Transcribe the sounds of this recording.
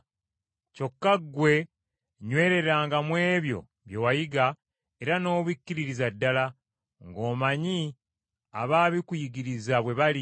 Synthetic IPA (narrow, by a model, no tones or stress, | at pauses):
co̞kːaɡwe̞ | ɲwe̞ːɾe̞ɾaːŋɡamwe̞ːβjo̞̰ | βje̞wajiɡa | e̞ɾano̞ːβwikːiɾiɾizadːala | ŋɡo̞ːmaɲi | a̰βaːβikujiɡiɾizaβwe̞βali